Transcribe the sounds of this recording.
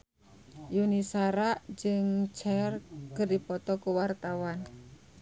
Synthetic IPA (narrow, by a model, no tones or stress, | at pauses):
junisaɾaʔd͡ʒɨŋt͡ʃɛrkərdipɔt̪ɔkuwart̪awan